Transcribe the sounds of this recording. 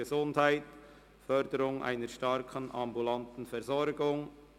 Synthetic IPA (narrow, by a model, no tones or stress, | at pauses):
əzʊndhaɪt | fœɾdəɾʊŋʔa̰ɪnəɾʃtɑɾkʰənʔɑmbulantn̩fɛɾzɔɾɡʊŋ